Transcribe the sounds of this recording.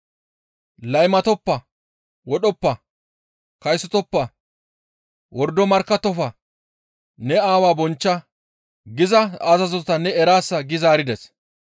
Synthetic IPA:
lɐjmɐt̪ɔpːɐ | wɔɗɔpːɐ | kɐjsːɔt̪ɔpːɐ | wɔɾd̪ɔmɐɾkːɐt̪ːɔfɐ | nɛaːwaːbɔnt͡ʃːɐ | ɡɪzɐɐzɐzɔt̪ɐnɛɛɾaːsːɐɡɪzaːɾɪd̪ɛs

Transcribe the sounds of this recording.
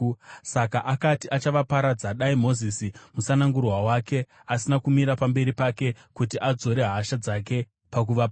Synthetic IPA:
sakaʔakatiʔat͡ʃaʋapaɾad͡zaɗaimo̞zisimusanaŋɡurwawake̞ | asinakumiɾapambe̞ɾipake̞kut̬iʔad͡zo̞ɾe̞ɦaʃad͡zak̬e̞ | pak̬uʋapa

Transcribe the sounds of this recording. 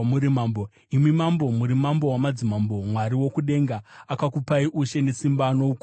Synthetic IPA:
muɾimambo | imimambo̞muɾimambo̞wamad͡zimambomwaɾiwo̞kuɗe̞ŋɡaakakupaiʔuʃe̞ne̞simbano̞uk

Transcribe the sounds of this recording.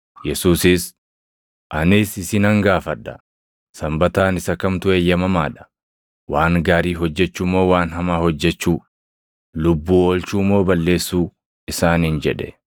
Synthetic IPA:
jɛsuːsɪs | ʔɐnɪsɪsɪnɐŋɡaːfɐᶑːɐ | sɐmbɐt̪aːnɪsɐkɐmt̪ʊeːjːɐmɐmaːᶑɐ̥ | waːŋɡaːɾiːɦɔd͡ʒːɛt͡ʃːʊmːo̞ːwaːnɦɐmaːhɔd͡ʒːɛt͡ʃːuː | lʊbːuːoːlt͡ʃuːmːo̞ːbɐlːe̞ːsːuː | ɪsaːnɪnd͡ʒɛᶑɛ̥̰

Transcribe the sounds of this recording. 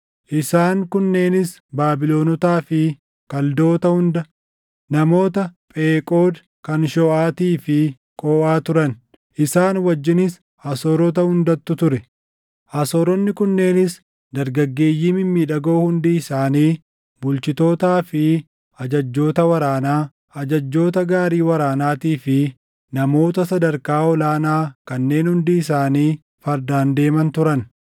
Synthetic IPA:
ʔɪsaːŋkʊnːe̞ːnɪs | baːbɪlo̞ːnɔt̪aːfɪ | kɐld̪o̞ːt̪ɐhʊnd̪ɐ | nɐmo̞ːt̪ɐpʼeːkʼoːd̪ | kɐnʃɔːʔaːt̪iːfɪ | kʼoːʔaːt̪ʊɾɐn | ʔɪsaːnwɐd͡ʒːɪnɪs | hɐso̞ːɾɔt̪̬ɐhʊnd̪ɐt̪ːʊt̪ʊɾɛ | hɐsoːɾɔnːɪkʊnːe̞ːnɪs | d̪ɐɾɡɐɡːe̞ːjːiːmɪmːiːᶑɐɡoːhʊnd̪iːɪsaːniː | bʊlt͡ʃɪt̪o̞ːt̪aːfɪ | ɐd͡ʒɐd͡ʒːo̞ːt̪ɐwɐɾaːnaː | ɐd͡ʒɐd͡ʒːo̞ːt̪ɐɡaːɾiːwɐɾaːnaːt̪iːfɪ | nɐmo̞ːt̪ɐsɐd̪ɐɾkaːɔlaːnaːkɐnːe̞ːnhʊnd̪iːɪsaːniː | fɐɾd̪aːnd̪e̞ːmɐnt̪ʊɾɐn

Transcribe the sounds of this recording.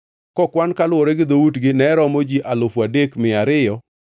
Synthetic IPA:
kɔkwankalʊoɾɛɡɪd̪outɡɪnɛɾɔmod͡ʒiʔalʊfwadekmɪaɾɪjɔ

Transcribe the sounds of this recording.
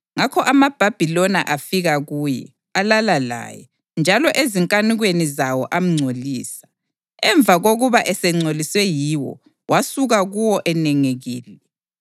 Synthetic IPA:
ŋakʰɔʔamab̥ʱab̥ʱilɔna̰ʔafiɣaɣuːjɛ̰ | alalala̰jɛ̰ | nd͡ʒʱalɔʔeziŋkʼaniɣwenizawɔ̰ʔam̩ŋ͡ǀʱoliːsḁ | ɛɱb̪vʱaɣoɣuβaʔɛsɛŋ͡ǀʱoliswɛjiwɔ̰ | wʔasuɣaɣuwɔʔɛnɛŋeɣiːlɛ

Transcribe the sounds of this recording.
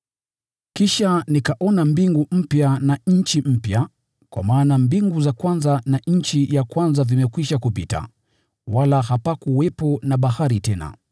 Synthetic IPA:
kiʃanikaʔɔnambiŋɡum̩pjanaɲ̩t͡ʃim̩pja | kwa̰maːnambiŋɡuzakwanzanaɲ̩t͡ʃijakwanzavimɛkwiʃakupita̰ | walahapakuwɛpɔnaɓahaɾitɛna̰

